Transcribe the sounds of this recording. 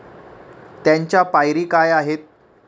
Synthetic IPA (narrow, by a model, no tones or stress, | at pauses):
t̪jaɲt͡ɕjapajɾiːkajaɦet̪̚